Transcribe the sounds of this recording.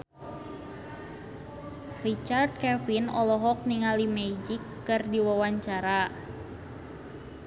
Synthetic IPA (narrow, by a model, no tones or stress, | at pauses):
rit͡ʃard̪̚kɛfinɔlɔɦɔk̚niŋalimɛd͡ʒikːɨrdiwawaɲt͡ʃaɾa